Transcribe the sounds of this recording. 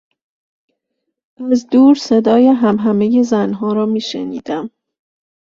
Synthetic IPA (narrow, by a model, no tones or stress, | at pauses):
ʔæzd̪uːɾsed̪ɒːjeɦæmɦæmejezænɦɒːɾɒːmiːʃḛnḭːd̪̥æm